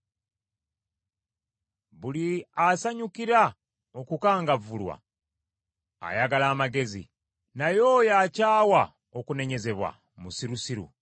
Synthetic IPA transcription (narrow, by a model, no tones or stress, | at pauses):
βuliasaɲukiɾa | okukaːŋɡavulwa̰ | jaɡalaːmaɡe̞zḭ | najo̞ːjacaːwa | okune̞ɲe̞ze̞βwa̰ | musiɾusiɾṵ